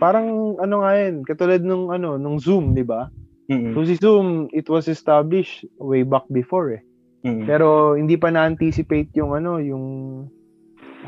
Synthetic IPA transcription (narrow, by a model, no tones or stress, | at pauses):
paːɾɐŋʔɐno̞ŋajonkɐt̪uːlɐd̪̚nʊŋʔɐno̞nʊŋzumd̪ɪba | sos̬ɪsumɪt̪wɐsɛst̪ablɪʃt̪wejbak̚bɪfoɹɛ | pɛːɾo̞hɪnd̪iːpɐnɐːnt̪isɪpejt̪̚jʊŋɐno̞jʊŋ